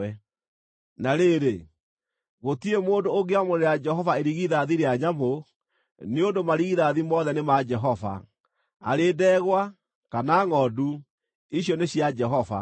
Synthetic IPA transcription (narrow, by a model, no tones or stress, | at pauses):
ɛ | naɾeɾe | ɣotiemoːndoːɣeamoɾeɾead͡ʒɛɦɔvaeɾiɣiðaðiɾeaɲamo | neondomaɾiɣiðaðimɔðɛnemad͡ʒɛɦɔva̰ | a̰ɾeːdɛːɣwa | kanaŋɔːdu | iɕjɔneɕjad͡ʒɛɦɔva̰